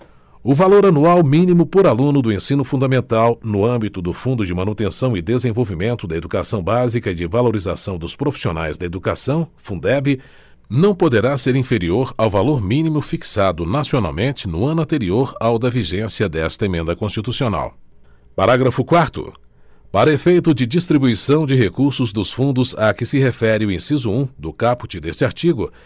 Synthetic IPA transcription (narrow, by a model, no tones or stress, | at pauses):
ʊvaloɾanuawmĩnimʊpoɾalũnʊd̪ʊẽsĩnʊfũnd̪ɐmẽnt̪awnʊɐ̃mbit̪ʊd̪ʊfũnd̪ʊd͡ʒɪmɐ̃nut̪ẽsɐ̃w̃ɪd̪ezẽvowvimẽnt̪ʊd̪ɐed̪ukasɐ̃w̃bazikɐɪd͡ʒɪvaloɾiza̰sɐ̃w̃d̪ʊspɾofi̥siona̰jzd̪ɐed̪uka̰sɐ̃w̃fũd̪ɛbɪ | nɐ̃w̃pod̪eɾaseɾĩfeɾioɾawvaloɾmĩnimʊfiksad̪ʊnasiona̰wmẽnt͡ʃɪnʊɐ̃nʊɐ̃nt̪eɾioɾawd̪ɐviʒẽsiɐd̪ɛst̪ɐemẽnd̪ɐkõst͡ʃit̪usiona̰w | paɾaɡɾɐfʊkwaɾt̪ʊ̰ | paɾɐefejt̪ʊd͡ʒɪd͡ʒist̪ɾibuisɐ̃w̃d͡ʒɪɦekuɾsʊzd̪ʊsfũnd̪ʊzakɪsɪɦefɛɾɪʊẽsizʊũd̪ʊkapʊt͡ʃɪd̪esɪaɾt͡ʃiɡʊ